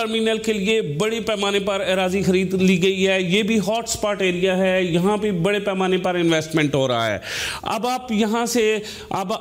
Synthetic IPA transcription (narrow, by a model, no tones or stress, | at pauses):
əɾmiːnəlkelɪebəɽepɛːmaːnepəɾeɾaːzixəɾiːd̪liːɡɐiɦɛːjeːbʱiɦɔːʈspaːɾʈeːɾijaɦɛːjɐɦãːpebɐɽepɛːmaːnepəɾɪnʋɛːsʈmɛ̃ɳʈɦoːɾɐa̰ːɦɛ̰ːɐ̰baːpjɐɦãːse | ɐ̰b